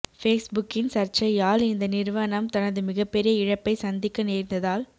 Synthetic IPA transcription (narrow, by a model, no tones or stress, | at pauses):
feːsbʊkːɪnsɐɾt͡ʃɐjaːlɪnd̪ɐnɪɾʋɐnɐmt̪ɐnɐðɯmɪɣɐpːɛɾɪjɐɪɻɐpːɐɪsɐnd̪ɪkːɐneːɾnd̪ɐðaːl